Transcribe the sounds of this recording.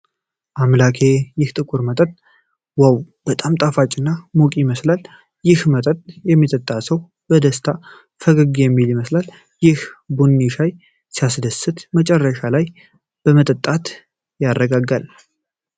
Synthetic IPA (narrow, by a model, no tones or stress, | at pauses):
ʔamlakʰe̞jɪht̪ʼɨkʼuɾmət̪ʼət̪ʼ | waw | b̥ət̪ʼamt̪ʼafat͡ʃʼɨnːamokʼijɪməslal | jɪhmət̪ʼət̪ʼjɛmːit̪ʼət̪ʼːasəw | b̥əd̪əst̪ʰa | fəɡəɡjɛmːiljɪməslal | jɪhbunːiʃaj | sijasd̪əsɨt̪mət͡ʃʼɛrːəʃalaj | b̥əmət̪ʼət̪ʼːat̪ | jarːəɡaɡal